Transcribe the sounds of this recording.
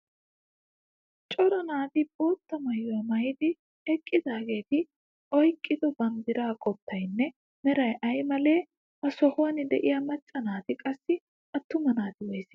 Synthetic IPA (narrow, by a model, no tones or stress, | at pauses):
t͡ʃʼɔɾɐnaːt̪ɪbʼoːt̪ːɐmɐjʊjɐmɐjd̪ɪ | ɛkʼːɪd̪aːɡe̞ːt̪ɪ | ʔɔjkʼːɪd̪ɔbɐnd̪ɪɾaːkʼɔt̪ːɐjnːɛ | mɛɾɐjʔɐjmɐle̞ː | ʔɐsɔhoːnɪd̪ɛʔɪjɐmɐt͡ʃʼːɐnaːt̪ɪkʼɐsːɪ | ʔɐt̪ːʊmɐnaːt̪ɪwɔjsɪ